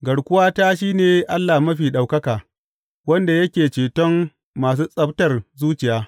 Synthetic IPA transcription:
ɡɐ˨ɽkʷʊ˦waː˦ta˦ʃiː˦neː˨ʔa˦lːa˨mɐ˦ɸiː˨ɗa˨wkɐ˦kaː˨ | wɐ˦nda˨jɐ˦kʲeː˨t͡ʃeː˨tɔ˦ŋ | maː˨s̬uː˦sʼɐ˦btɐ˨rzuː˦t͡ʃɪ˨jaː˦

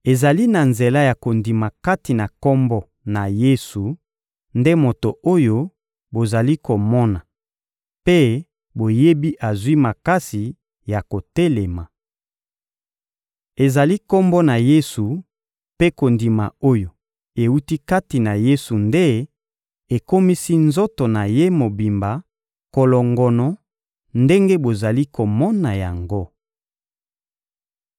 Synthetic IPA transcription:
e˨za˨li˦na˨nze˨la˦ja˨ko˨ndi˨ma˨ka˦ti˨na˨kɔ˦mbɔ˦ | na˨je˦su˨ | nde˦mo˨to˨ʔo˦jo˦ | bo˨za˨li˦ko˨mɔ˦na˨ | pe˦ | bo˨je˦bi˦ʔa˨zwi˦ma˨ka˦si˨ | ja˨ko˨te˦le˨ma˨ | e˨za˨li˦ko˦mbɔ˦na˨je˦su˨ | pe˦ko˨ndi˨ma̰˨o˦jo˨ | e˨u˦ti˦ka˦ti˨na˨je˦su˨nde˦ | e˨ko˦mi˦si˦nzo˦to˨na˨je˦mo˨bi˨mba˨ | ko˨lɔ˨ŋɡɔ˨nɔ˨ | nde˦ŋɡe˦bo˨za˨li˦ko˨mɔ˦na˨ja˨ŋɡo˦

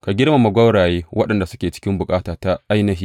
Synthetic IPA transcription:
ka˨ɡʲɪ˦rma˨ma˨ɡʷɐ˦wɽaː˨jeː˦wɐ˦ɗɐ˨nda˨sʊ̥˦kʲeː˨t͡ʃɪ̥˦kʲɪ˦mbʊ˨kʼaː˦taː˨ta˦ʔa˦jnɐ˦ɦiː˦

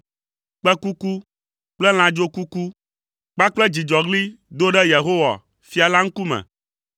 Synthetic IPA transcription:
k͡pɛ˦ku˦ku˦ | k͡plɛ˦l̃ã˨d͡ʒo˦ku˦ku˦ | k͡pa˦k͡plɛ˦d͡ʑi˨d͡ʒɔ˨ɡli˦d̪o˦ɖɛ˦je˨ɦo˦wa̰˨ | fi˦a˨la˦ŋ̩˦ku˦mɛ̰̃˨

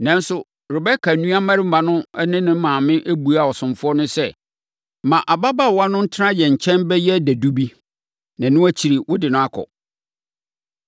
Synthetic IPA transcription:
nã˨n̩˦sʊ˦ | ɾɪ˨bɛ˦kʰa˨nũ˦a˦mã˦ɾɪ˦m̩˦ã˨nʊ̃˦ɛ˦nɪ̃˦nɪ̃˦m̩˦mãː˨mɪ̃˦ʔæ˦bu˨a˦˨ɔ˨sʊ̃˨mfʊ˦ɔ˦nʊ̃˦sɛ˦˨ | mã˨ʔa˨ba˦ba˦˨wa˦nʊ̃˦n̩˦tʰɪ˦ɾã˦jɛ˨ɲ̩˨t͡ɕʰɛ̃˦mbɛ˦jɛ˦˨dæ˨du˦bi˦ | nã˨nʊ̃˦æ˦t͡ɕʰi˨ɾi˨wʔʊ˦dɪ˨nʊ̃˦a˦kʰɔ̰˨

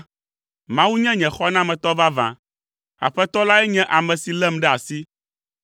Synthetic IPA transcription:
mã˦wu˦ɲɛ̃˦ɲɛ̃˨xɔ˦nã˦mɛ̃˨t̪ɔ˦va˦vã̰˨ | a̰˨ɸɛ˦t̪ɔ˦la˦ɛ˦ɲɛ̃˦ʔa˨mɛ̃˨si˨lɛ˦mɖɛ˦a˨si˦

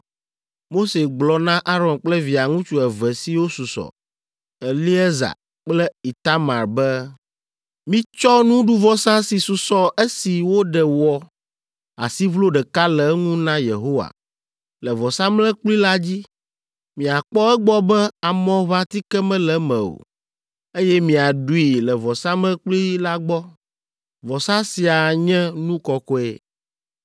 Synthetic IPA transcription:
mo˦se˨ɡ͡blɔ˨nã˦ʔa˦ɾɔ˨nk͡plɛ˦vi˨a˨ŋũ˦t͡ʃu˦ɛ˨vɛ˨si˦wo˦su˨sɔ̰˨ | ɛ˨li˦ɛ˦za̰˨ | k͡plɛ˦i˨t̪a˦mã˨ɾbɛ˦ | mĩ˦t͡ʃɔ˦nũ˦ɖu˦vɔ˦sã˦si˨su˨sɔ˦e˦si˨wo˦ɖɛ˨wɔ˦ | a̰˨si˦vlo˦ɖɛ˨ka˦lɛ˨˦ŋũ˦nã˦jḛ˨ɦo˦wa̰˨ | lɛ˨vɔ˨sã˦mlɛ˦k͡pli˦la˦d͡ʑi˦ | mĩ˨a˨k͡pɔ˦ɛ˦ɡ͡bɔ˦bɛ˦a˨mɔ̃˦βa˦t̪i˦kɛ˦mɛ̃˦lɛ˨mɛ̰̃˨o̰˨ | e˦jɛ˦mĩ˨a˨ɖu˦i˨lɛ˨vɔ˨sã˦mlɛ˦k͡pli˦la˦ɡ͡bɔ˦ | vɔ˨sã˦si˨a˨ɲɛ̃˦nũ˦kɔ˨kɔ˦ɛ̰˦

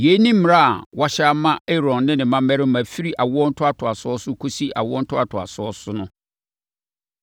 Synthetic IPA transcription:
je˨˦nĩ˦m̩˦m˨ɾa˦a̰˨wa˦ɕa˦mã˦ɛ˦ɾɔ̃˨nːɪ̃˦nɪ̃˨mã˦mɛ˦ɾɪ˦mæ̃˨fi˦ɾi˦ʔa˨wʊ˦ɔ˦n̩˦tʰʊ˦a˦tʰʊ˨a˨sʊ˦ɔ˦sʊ˦kʰo˦si˦ʔa̰˨wʊ˦ɔ˦n̩˦tʰʊ˦a˨tʰʊ˨a̰˨sʊ˨˦ɔ˦sʊ˦nʊ̃˦

